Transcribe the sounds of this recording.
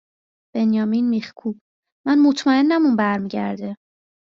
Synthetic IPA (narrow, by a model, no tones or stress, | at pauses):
b̥e̞njɒːminmixkʰuːb̥ | mænmot̪ʰmæenːæmunbæɾmiːɟæɾd̪e